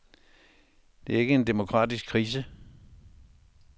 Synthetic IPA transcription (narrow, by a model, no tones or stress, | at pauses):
d̥e̝ɐe̝ɡ̥əe̝nd̥e̝mo̝kʰʁɑ̈ːd̥isɡ̥kʰːʁḭːsə